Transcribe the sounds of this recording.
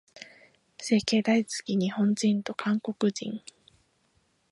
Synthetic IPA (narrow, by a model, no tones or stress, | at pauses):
se̞ːke̞ːd̪ait͡sɨ̥kʲiɲ̟ihõ̞ɲd͡ʑĩnt̪o̞kʰãŋko̞kɯ̟d͡ʑḭ̃ŋ